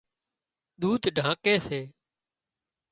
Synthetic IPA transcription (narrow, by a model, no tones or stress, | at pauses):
ɗ̪uːd̪ɖʱãːkeːseː